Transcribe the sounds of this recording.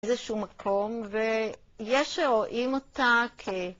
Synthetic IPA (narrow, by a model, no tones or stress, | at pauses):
zeʃuumakʰo̞mve | jeʃeʁo̞ʔimotakʰe